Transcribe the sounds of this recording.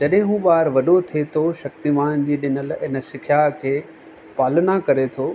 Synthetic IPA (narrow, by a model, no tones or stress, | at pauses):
d͡ʑɐɗɦɪ̃ɦũːɓaːɾʋɐɗot̪ʰet̪ʰoʃɐk̚t̪imaːnd͡ʑiːɗɪnəlɪnə̆sɪkʰjaɦkʰeː | paːlənakɐɾet̪ʰoː